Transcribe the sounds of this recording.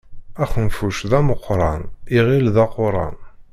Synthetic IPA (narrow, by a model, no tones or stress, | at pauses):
æxənfuʃðæməqːɾˤɑniʁilðɑqoɾˤɑ̰n